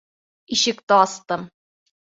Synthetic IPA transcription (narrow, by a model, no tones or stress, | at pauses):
iʃɘ̆kt̪ɤ̆ɑst̪ɤ̆m